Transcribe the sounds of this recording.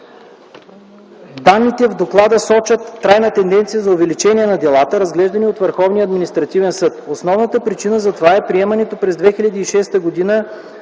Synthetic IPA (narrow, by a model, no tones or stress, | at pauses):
d̪anːit̪ɛvd̪oklˠad̪əsɔt͡ʃət̪ːɾajnət̪ɛnd̪ɛnt̪sijəzɐovɛlit͡ʃɛniɛnɐd̪ɛlˠat̪əɾɐzɡlɛʒd̪ɐniot̪vəɾxɔvnijəːd̪minist̪ɾɐt̪ivɛnsɤt̪osnɔvnət̪əpɾit͡ʃinəzɐt̪ovaɛpɾiɛmɐnɛt̪opɾɛzd̪vɛxilʲɐd̪iːʃɛst̪əɡod̪inə